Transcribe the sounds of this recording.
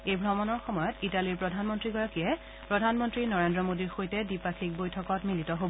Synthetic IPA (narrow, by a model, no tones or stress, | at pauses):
ejbʱɹɔmɔnɔɹxɔmɔjɔtitaliɹpɹɔdʱanmɔntɹiɡɔɹakiɛ | pɹɔdʱanmɔntɹinɔɹendɹɔmodiɹxojtɛdipakʰik̚bojtʰɔkɔtmilitɔɦob